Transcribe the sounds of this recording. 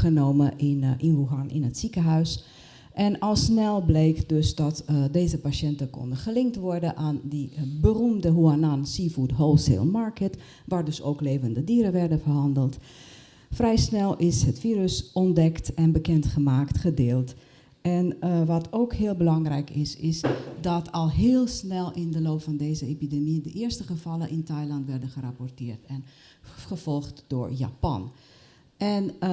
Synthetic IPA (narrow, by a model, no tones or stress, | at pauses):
χənoːməinʋuɦanɪ̰nətsikəɦœɥs | ʔɛnɔlˠsnɛlˠbleːkdøsdɔtdeːzəpaʃɛntəko̰ndəχəlɪŋtʋɔrdəʔaːndibərumdəɦuanansifudɦoːlˠsḛlˠmaɹkət | ʋaːɹdøsoːkleːvəndədiːəɾəʋɛrdəfərɦɑndəlˠt | frɛjsnɛlˠɪshətfiːɾəsɔndɛktɛnbəkɛntχəmaːktχədeːlˠt | ɛnʋɑtʰoːkhɪːlˠbəlɑŋrɛjkɪsɪsdɔtʰɔlˠɦɪːlˠsnɛlˠɪndəloːpfɑndeːzəepidemidəʔɪːəɹstəχəvɑlˠəʔɪntajlɑntʋɛrdəχərapɔɹtɪːrtɛn | χəv̥ɔlˠχtd̥ʊːɹja̰pɑ̰n | ʔɛn